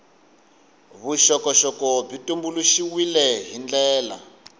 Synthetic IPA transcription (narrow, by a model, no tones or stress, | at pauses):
βuʃɔkɔʃɔkɔb͡ʐitumbuluʃiwilɛɦind͡ɮɛːla̰